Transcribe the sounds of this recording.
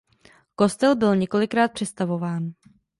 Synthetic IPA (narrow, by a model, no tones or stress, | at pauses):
ko̞st̪ɛlbɪlɲɛko̞lɪkɾaːt̪̚pr̝̥ɛst̪avo̞vaːn